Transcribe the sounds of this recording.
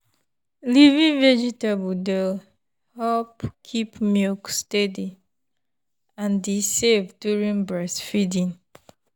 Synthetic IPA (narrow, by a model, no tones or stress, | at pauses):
livĩnvɛd͡ʒitabudel | hɛpkʰipmukstɛdi | ãndisevdjuɹĩnbɹɛsfidĩn